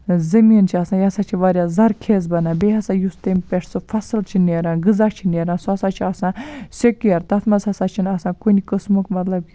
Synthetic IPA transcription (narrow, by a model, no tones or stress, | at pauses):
zɐmiːnt͡ʃʰiɐsãːjasat͡ʃʰiʋaːɾʲjazɐɾkʰeːz̬bɐnãːbeɦɐsãjust̪empeʂʰsofɐsɨlt͡ʃʰineɾãːɡɨzat͡ʃʰineːɾãːsɐsaːt͡ʃʰiasãːsekjɐɾt̪ɐt̪ʰmɐzɐsat͡ʃʰinɐsãːkunikəsmukmɐt̪lɐb